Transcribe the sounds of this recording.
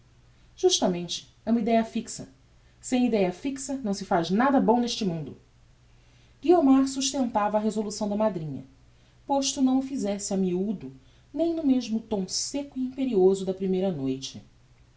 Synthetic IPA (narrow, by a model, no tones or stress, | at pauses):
ʒ̥uʃt̪ɐmẽnt͡ʃɪ̥ | ɛumɐid̪ɛjɐfiksɐ | sẽj̃id̪ɛjɐfiksɐnɐ̃w̃sɪfaʒnad̪ɐbõw̃neʃt͡ʃɪmũnd̪ʊ | ɡiomaɾsuʃt̪ẽnt̪avɐːɦezolusɐ̃w̃d̪ɐmad̪ɾĩɲɐ̰ | poʃt̪unɐ̃w̃ʊfizɛsɪamiud̪ʊ | nẽj̃nʊmeʒmʊt̪õw̃sekʊiĩmpeɾiozʊd̪ɐpɾimejɾɐnojt͡ʃɪ